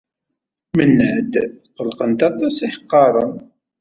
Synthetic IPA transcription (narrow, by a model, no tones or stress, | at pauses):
mənːʕəd̪qəlqənt̪ɑt̪ˤɑsiħəqːɑɾˤən